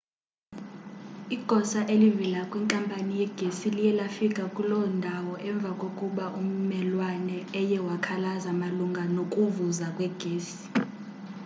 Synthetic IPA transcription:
iɡ̥ʱɔsaʔelivilakʼwiŋkʼampʼanijɛɡ̥ʱesilijɛlafikʼakʼulɔndʱawɔʔɛɱb̪vʱakʼokʼuɓaʔum̩mɛlwanɛːjɛwakʰalazamaluŋɡʱanokʼuvuzakʼwɛɡ̥ʱeːsi̥

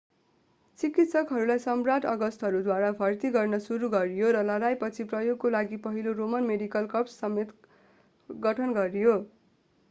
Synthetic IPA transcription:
t͡sikit̪sʌkɦʌɾulajsʌmrat̪ʌɡʌst̪ɦʌɾud̪waɾabʱʌrt̪iɡʌrnʌsuɾuɡʌɾjoɾʌlʌɾajpʌt͡sʰiprʌjoɡ̚kolaɡipʌɦiloromʌnmeɖikʌlkʌpsːʌmet̪ | ɡʌʈʰʌnɡʌɾijo

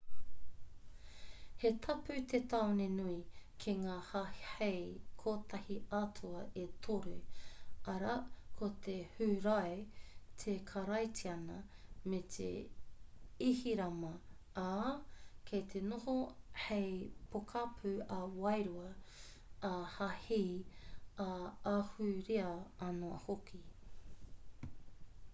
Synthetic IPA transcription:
het̪ʰɐpʉt̪ʰet̪aonenuikʰeŋaːhahhejkʰoːt̪ɐhiatʰuɐʔet̪ʰoɾu | ɐɾakʰot̪ʰehʉɾaet̪ʰekʰɐɾɐjtʰiɐnɐmet̪ʰḛ | ihiɾɐmɐ | a | kʰejt̪ʰenohohejpʰokʰapʰʉɐwɐjɾuɐː | hahij | aahʉɾiɐɐnoɐ̰hokʰi

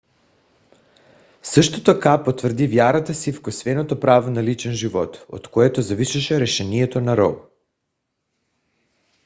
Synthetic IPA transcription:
sɤʃt̪ot̪okapot̪vr̩d̪ivjaɾat̪asifkosvɛnot̪opɾavonalit͡ʃɛnʒivɔt̪o̰t̪koɛt̪ozaviʃaʃɛɾɛʃɛniɛt̪onaɾɔ̰l

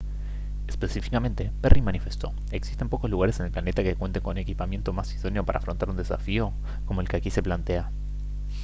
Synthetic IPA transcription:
espesifikamẽ̞nt̪e̞perʔimanife̞st̪o̞ | e̞ksi̥st̪empo̞ko̞zluɣaɾesene̞lplane̞t̪akekwent̪eŋkonune̞kipamje̞nt̪o̞masiðo̞nijo̞paɾa̰ːfɾo̞nt̪aɾund̪e̞safio̞ | komo̞elkeakise̞plant̪e̞a

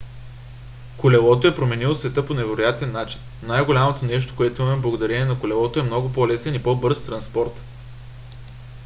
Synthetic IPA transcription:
kʊlʲɛlˠɔt̪oɛpɾomɛnilˠosvɛt̪ɤponɛvɛɾojat̪ɛnːat͡ʃi̥n | nːajɡʊlʲamot̪onɛʃ̬t̪o̥koɛt̪oʊimɐmɛmblˠɐɡʊd̪ɐɾɛniɛnɐkʊlʲɛlˠɔt̪oɛmnɔɡʊpolɛsɛnipɔbɤɾst̪ɾɐnspɔɾt̪

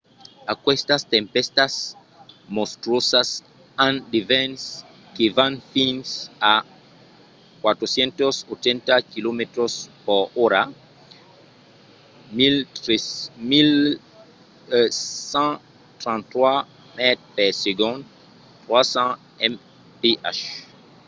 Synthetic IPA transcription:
akwest̪ast̪ẽmpest̪as | most̪ɾosas | ãnd̪ivɛns | kevãnfĩnsa | kwat̪ɾosjẽnt̪osot͡ʃẽnt̪akilomet̪ɾospoɾoɾa | mil | mil | sã | t̪ɾãnt̪wa | mɛt̪̚pɛseɡõn | t̪ɾwasã | ɛm | peʔa̰ʃ

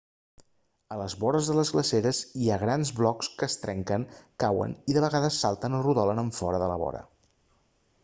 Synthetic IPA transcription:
ələzβɔɾəzðələzɣləseɾəziaɣɾanzβlɔkskəːst̪ɾɛŋkəŋkawə̰niðəβəɣaðəsːalˠt̪ənruðɔlənəɱfɔɾəðələβɔ̰ɾə̰

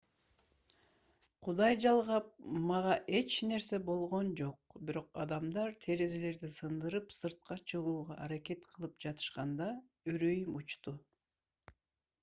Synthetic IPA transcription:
qʰud̪ɑjd͡ʒɑlˠʁɑp̚mɑʁɑʔe̞t͡ʃne̞ɾse̞bo̞lˠʁo̞nd͡ʒo̞q̚biɾo̞qɑd̪ɑmd̪ɑɾt̪ʰe̞ɾe̞zele̞ɾd̪isɯnd̪ɯɾɯpsɯɾt̪̚qɑt͡ʃʰɯʁuːʁɑ̰ʔːɾake̞t̪qʰɯlˠɯpd͡ʒɑt̪ʰɯ̥ʃqɑnd̪ɑ | øɾøjymut͡ʃt̪u

